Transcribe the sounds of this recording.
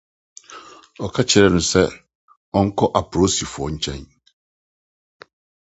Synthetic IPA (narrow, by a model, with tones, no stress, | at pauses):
ɔ˨kʰa˦t͡ɕʰɪ˨ɾɛ˦nʊ̃˨sɛ˦ | ɔ˦ŋ̩˦kʰɔ˦ʔa˨pʰɾo˦si˨fʊ˨ɔ˨ɲ̩˦t͡ɕʰɛ̰̃˦n